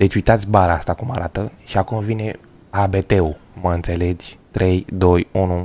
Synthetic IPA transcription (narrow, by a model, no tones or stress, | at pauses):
d̪̥e̞t͡ʃʲujt̪at̪sʲbaɾaast̪akumaɾʔat̪əʃiakumvine̞ | abe̞t̪e̞uməɨnt̪se̞le̞d͡ʒʲt̪ɾe̞jd̪o̞junu